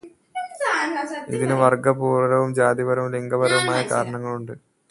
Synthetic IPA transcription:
ḭðinɨʋɐrɡɐpuːɾɐɾɐʋumd͡ʑaːd̪ibɐɾɐʋuleŋɡɐbɐɾɐʋumaːjɐkaːɾɐɳɐŋːɐɭuɳɖɨ

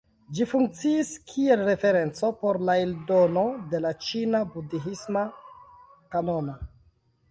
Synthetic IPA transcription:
d͡ʒifuŋk̚t͡siːskʰie̞lɾe̞fe̞ɾe̞nt͡so̞po̞ɾlaeldo̞no̞de̞lat͡ʃinabudiɦisma | kanoma

